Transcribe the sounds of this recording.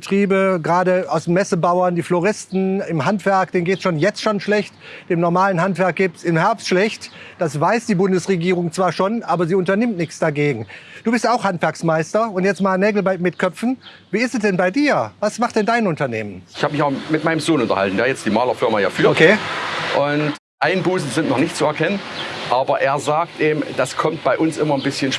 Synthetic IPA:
bətʁ̥iːbəɡʁaːdəaʊsd̥eːnmɛsəbaʊɐndiːfloʁɪstn̩ɪmɦantv̥ɛɐkd̥eːnɡeːtsʃoːnjɛt͡stʃoːnʃlɛçtd̥eːmnɔɐmaːlənɦantv̥ɛɐk̚ɡ̥iːp̚tsɪmhɛɐpstʃlɛçtd̥asvaɪsd̥iːbʊndəsʁeɡiːʁ̞ʊŋt͡sv̥aːɐʃoːnʔaːbɐziːʊntɐnɪmtnɪçt͡sd̥aɡeːɡŋ̩d̥uːbɪɐstaʊxhantv̥ɛɐksmaɪstɐʊntjɛt͡stmaːlnɛːɡl̩bɛtmɪtkʰœpp͡fn̩ | viːɪstɛsd̥ɛnbaɪdiːɐvasmaχtd̥ɛndaɪnʊntɐneːmənɪçhaːbəmɪçaʊmɪtmaɪnəmzoːnʊntɐ̰ha̰ltn̩daːɐjɛt͡std̥iːmaːlɐfɪɐmajaːfyːɐokʰeːʔʊnt | ʔaɪnbuːsn̩zɪntnɔχnɪçtt͡suɛɐkʰɛnənʔaːbɐʔeːɐzaːk̚tʔeːm̩d̥askʰɔmt̚b̥aɪʔʊnsʔɪmɐnbɪsçənʃ

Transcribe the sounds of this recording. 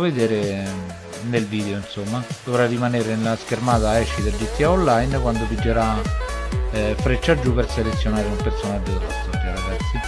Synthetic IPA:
ved̪eːɾe | nelviːd̪eoinsomːad̪̥ovɾarːimaneːɾenelaskermaːt̪aɛʃːid̪ed͡ʒit̪ːiaolːajnkwand̪opid͡ʒːeɾa | fɾet͡ʃːad͡ʒːuperselet̪sːjonaːɾeunapertsonad̪etasap̪ːjaɾaɡasːi

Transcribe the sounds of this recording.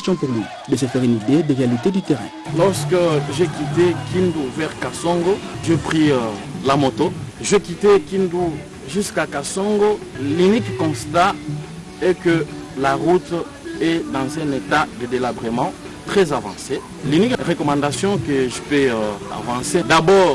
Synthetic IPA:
st̪jɔ̃puʁlɥi | d̪əsəfɛʁynid̪ed̪əʁealit̪ed̪yt̪ɛʁɛ̰̃lɔʁskəʒekʲit̪ekʰind̪uvɛʁkasɔ̃ŋɡoʒepχilamot̪oʒekʲit̪ekʲind̪u | ʒyskakasɔ̃ŋɡolynikkɔ̃st̪a | ɛkəlaʁut̪ | ɛd̪ɑ̃zɛ̃net̪ad̪əd̪elabʁimɑ̃ | t̪χɛzavɑ̰̃se | lynikʁəkɔmɑ̃d̪asjɔ̃kəʒəpea̰vɑ̃sed̪abɔːʁ

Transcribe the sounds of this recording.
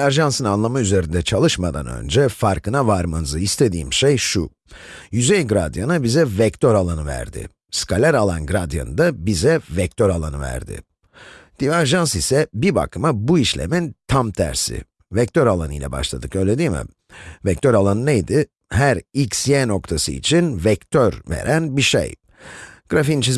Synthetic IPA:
d̪væɾʒansɯnanlˠamayze̞ɾind̪ɛt͡ʃʰalˠɯʃmad̪a̰nø̞̰nd͡ʒɛfaɾkɯnavaɾmanzɯist̪ʰe̞d̪ḭːmʃejʃu | jyzejɡɾad̪janɯbizɛvɛct̪ʰøɾalˠanɯvæ̰ɾd̪ɪ̰ | skʰalʲæɾalˠanɡɾad̪ja̰nɯd̪abizɛvɛc̚t̪ʰøɾalˠanɯvæ̰ɾd̪ɪ̰ | d̪̥ivaʒans̬isɛbiba̰kʰɯmabuiʃlʲḛmint̪ʰamt̪ʰæ̰ɾsɪ̰ | vɛc̚t̪ʰøɾalˠanɯ̰jlʲɛ̰ba̰ʃlˠad̪ɯkø̞jlʲe̞d̪iːmɪ̰ | vɛc̚t̪ʰøɾalˠanɯnejd̪ɪ | hæɾicsjeːnokt̪ʰasɯ̰ḭt͡ʃʰinvɛkt̪ʰøɾvḛɾʔænbiʃḛj | ɡ̥ɾafint͡ʃʰiz

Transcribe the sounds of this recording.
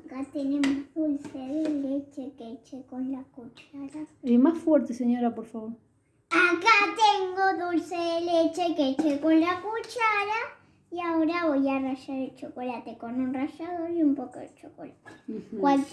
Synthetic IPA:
kat̪enemozðulseðelet͡ʃeket͡ʃekonlakut͡ʃaɾaemasfweɾt̪eseɲoɾapoɾfaβo̞ɾ | akat̪eŋɡoðulseðelet͡ʃeket͡ʃekonlakut͡ʃaɾa | iaoɾaβojaraʃaɾelt͡ʃokolat̪ekonenraʃaðoɾiumpokoḛt͡ʃoko̰lat̪e̥kwal

